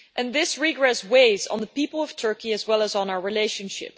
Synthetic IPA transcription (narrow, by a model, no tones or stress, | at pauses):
ʔɨ̃nðɪsɹiɡɹɛsweɪzn̩ðəpipl̩ˠʌv̥tʰɜ˞kiɨzwɛlˠəzn̩aʊəɹileɪʃɨ̃nʃɪ̰p